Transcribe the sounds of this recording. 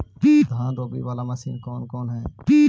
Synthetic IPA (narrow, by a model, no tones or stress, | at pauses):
piːd̪ʱãːd̪oːbḭːʋaːlaːmasiːmkɔːnkɔːnɦɛːpiː